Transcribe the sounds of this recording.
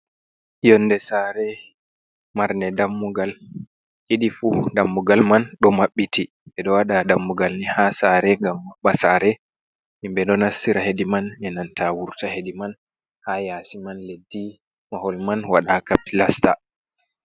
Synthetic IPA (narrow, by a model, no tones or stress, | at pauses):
jɔnːdɛsaːɾɛ | maɾnɛdamːuɡal | ʔeɗifudamːuɡalmanɗɔmaɓːitʰi | ɓɛɗɔwaɗadamːuɡalnihasaɾɛŋɡamːaɓːasaːɾɛ | himbɛɗɔnasːiɾahedimanɛnantʰawuɾtahediman | hajasimanledːi | mahɔlmanwaɗakapilasta̰